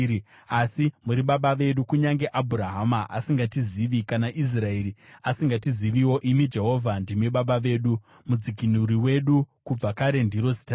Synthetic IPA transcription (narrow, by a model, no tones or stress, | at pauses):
asimuɾiɓaɓaʋe̞ɗukuɲaŋɡe̞ʔabʱuɾaɦamaʔasiŋɡatiziʋikanaʔis̬rae̞ɾiasiŋɡatiziʋiwo̞ʔimid͡ʒe̞ɦo̞vʱandimeɓaɓaʋe̞ːɗu | mud͡zikinuɾiwe̞ɗukub͡vakaɾe̞ndiɾo̞zi̥ta